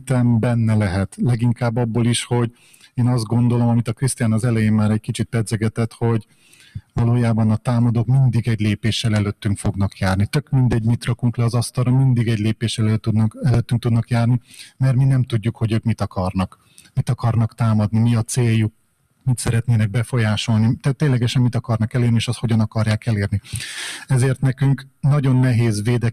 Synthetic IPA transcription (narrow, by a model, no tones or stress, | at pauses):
t̪ɛmbɛnːɛlɛɦɛt̪lɛɡiŋkaːbːɒbːoːliʃho̞ɟ | eːnɒzd̪ɡo̞nd̪o̞lo̞mɒmit̪ɒkrist̪ijaːnɒzɛlɛjeːmmaːɾɛc̚kit͡ʃit̪̚pɛd̪zɛɡɛt̪ɛt̪ho̞ɟ | vɒloːjaːbɒnɒt̪aːmɒd̪oːkmind̪iɡɛɟleːpeːʃɛlɛløt̪ːyŋkfo̞ɡnɒkjaːrnit̪økmind̪ɛɟmit̪rɒkuŋklɛɒzɒst̪ɒlrɒmind̪iɡɛɟleːpeːʃɛlːud̪nɒkɛløːt̪ːyŋk̚t̪ud̪nɒkjaːrnimɛrt̪minɛmt̪uɟːukho̞ɟøːkmit̪ɒkɒrnɒk | mit̪ɒkɒrnɒkt̪aːmɒd̪nimiɒt̪seːjːuk̚ | mit̪sɛɾɛt̪neːnɛɡ̚bɛfo̞jaːʃo̞lnit̪ɛt̪ːeːnlɛɡɛʃɛnmit̪ɒkɒrnɒkɛleːrnieːʃɒst̪ho̞ɟɒnɒkɒrjaːkɛleːrniɛzeːrt̪nɛkyŋknɒɟo̞nːɛɦeːzveːd̪ɛ